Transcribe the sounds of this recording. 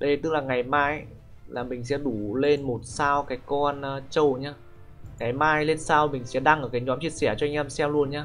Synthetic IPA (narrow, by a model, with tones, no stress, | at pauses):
ɗə˧˩jt̪ɨ˦˥k̚laː˨˩ŋa˨˩jmaː˧j | laː˨˩mï˨˩ŋ̟sɛ̰˧˥ɗu˧˩le˧nmo˨˩t̚saː˧wkaː˨˦jkɔ˧nː˧t͡ɕə˧˩wɲaː˧˩ | ŋa˨˩jmaː˧jle˧nsaː˧wmï˨˩ŋ̟sɛ̰˧˥ɗa˧ŋʔəː˧˩kaː˨˦jɲɔ˨˦mt͡ɕi˧əsɛ˧˩t͡ɕɔ˧a˧jŋ̟ʔɛ˧msɛ˧mlu˧ənɲaː˧